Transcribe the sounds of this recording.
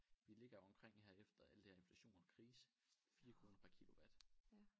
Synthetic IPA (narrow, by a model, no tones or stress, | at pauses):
ʋile̝ɡ̥ɐɒ̽mkʰʁeŋ̰hæɐ̰efd̥ɐæləd̥eɐe̝nflæɕo̝̰ːnɐkʰʁiːsə̥ | fiːɐkʰʁo̝ːnɐpʰæɐkʰilo̝ʋæd̥